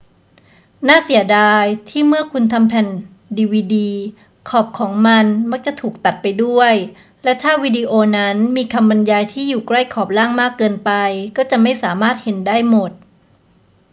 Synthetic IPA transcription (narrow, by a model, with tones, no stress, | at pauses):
naː˥˩si˩˦ədaː˧jt̪ʰiː˥˩mɯ˥˩ɐkʰu˧nt̪ʰa˧mpʰɛ˨˩n | diː˧wiː˧diː˧ | kʰɔː˨˩p̚kʰɔː˩˦ŋma˧nma˦˥k̚t͡ɕa˨˩t̪ʰuː˨˩k̚t̪a˨˩t̪̚pa˧jdu˥˩əj | lɛ˦˥t̪ʰaː˥˩wiː˧diː˧ʔoː˧na˦˥nmiː˧kʰa˧mba˧njaː˧jt̪ʰiː˥˩juː˨˩kla˥˩jkʰɔː˨˩p̚laː˥˩ŋmaː˥˩kːɤː˧npa˧jkɔː˥˩t͡ɕa˨˩ma˥˩jsaː˩˦maː˥˩t̪̚he˩˦ndaː˥˩jmo˨˩t̪̚